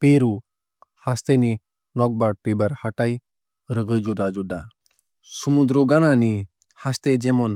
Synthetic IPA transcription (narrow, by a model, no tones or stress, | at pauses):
peɾu | hast̪eni | nɔɡ̚baɽʈibəɾhaʈaj | ɾəɡəjd͡ʒud̪ad͡ʒud̪a | sumud̪ɾoɡanani | hast̪ed͡ʒemɔn